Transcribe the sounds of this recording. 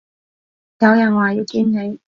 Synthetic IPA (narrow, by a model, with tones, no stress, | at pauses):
jɐ˨˧wjɐ˨˩nwaː˨ji˨˧wkiː˥nne˨˧j